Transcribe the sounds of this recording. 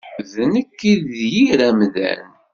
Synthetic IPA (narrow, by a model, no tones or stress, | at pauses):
ðənəkːiðjiɾæmðæ̰n